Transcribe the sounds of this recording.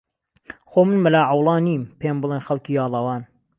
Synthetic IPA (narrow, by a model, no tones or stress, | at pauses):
xoːmɨnmɐlaːʕɑwlˠɑːniːmpʰeːmbɨlˠeːnxɐlˠkiːjɑːlˠɐwɑːn